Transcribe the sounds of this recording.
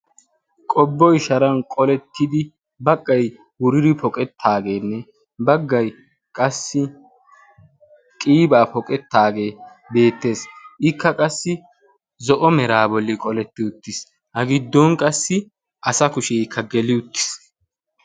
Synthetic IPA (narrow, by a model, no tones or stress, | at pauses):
kʼɔbːɔɪʃɐɾɐnkʼɔlɛt̪ːɪd̪ɪ | bɐkʼːɐj | wʊɾɪɾɪpʰɔkʼɛt̪ʰːaːɡe̞ːnːɛ | bɐɡːɐj | kʼɐsːɪ | kʼiːbaːpɔkʼɛt̪ːaːɡe̞ː | be̞ːt̪ːe̞ːsɪkːɐkʼɐsːɪ | zɔʔɔmɛɾaːbɔlːɪkʼɔlɛt̪ːɪʊt̪ːɪs | hɐɡɪd̪ːɔnkʼɐsːɪ | ʔɐsɐkʊʃɛjkʰːɐɡɛlɪʊt̪ːɪ̥s